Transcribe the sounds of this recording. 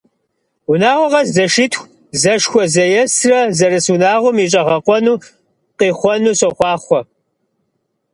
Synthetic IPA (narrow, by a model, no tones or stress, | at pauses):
unaːʁʷɔʁɐzzɐʃɪtʰxʷ | zɐʂxʷɔzɐjɛsrɐzɐɾɨsunaːʁʷʊmit͡ʃʼɐʁɐqʷʼɔnuː | qiːχʷɔnuːɕɐχʷɑːχʷɔ